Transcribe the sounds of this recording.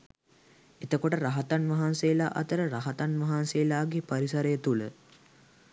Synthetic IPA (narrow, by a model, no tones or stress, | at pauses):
et̪əkoʈəɾaɦat̪anʋɐɦansejːlaːʔɐ̰t̪əɾəɾaɦat̪anʋɐɦansejlaːɡepaɾisɐɾəjət̪ulə